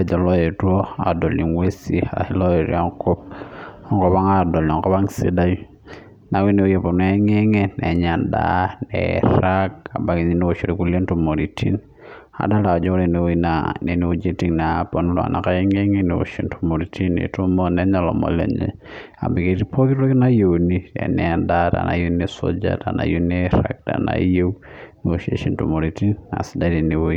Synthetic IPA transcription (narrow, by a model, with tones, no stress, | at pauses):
ɛ˦d͡ʒɔ˨lɔ˦je˨two˦a̰˨do˨li˨ŋwe˦si˦a̰˨hi˦lɔ˦e˨ɾa˦ŋko˦p̚ɔ˨ŋkɔ˦ba˦ŋa˦dɔ˨la˨ŋkɔ˦ba˦ŋse˦da˦j | na˨wi˦ne˨o˦je˨po˨n˨ɛ˨˦ŋe˦ŋe˦nɛ˨ɲa˨nda̰˦nɛ̰˨ɾa˦k̚a̰˨ba˨ki˨ɲi˦n˦o˨t͡ʃo˨ɾi˨ku˦le˦ntu˦mo˨ɾi˨tʰḭ˦n | a̰˨da˦la˨ɔ˨d͡ʒɔ˦ɾe˨ne˨wo˦i˦nane˨ne˦o˨d͡ʒe˦ti˦ŋna˨po˨nu˦lwa̰˨na˨ka˦ɛ˦ŋe˦ŋe˦ne˨o̰˨ʃi˨ntumo˨ɾi˨ti˦nḛ˨to˦mo˦nɛ˦ɲa˦˨lɔ̰˨mɔ̰˨lɛ̰˨ɲḛ˨a˨mbi˨ke˨ɾi˦pʰo˦ki˦tɾo˦kɪ˦na˦jo˨wni˦ɛ̰˨nɛ˨nda˦ta̰˨na̰˨jo˦ne˦so̰d͡ʒa̰˦da˨na˨ju˦neɾa̰k̚da̰˨na̰je˦uneo˨ʃe˨ʃi˨ntu˨mo˨ɾi˨ti˦nna̰˨sida˦ɾi˨ni˨wo˦i˦